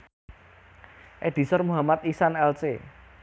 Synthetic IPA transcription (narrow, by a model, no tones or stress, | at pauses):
ʔed̪̥i̤sɔrmuɦamat̪isanɛlt͡ʃḛ